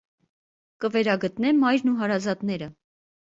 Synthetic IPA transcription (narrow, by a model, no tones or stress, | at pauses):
kəvɛɾɑɡət̪nɛmɑjɾnuɦɑɾɑzɑt̪nɛɾə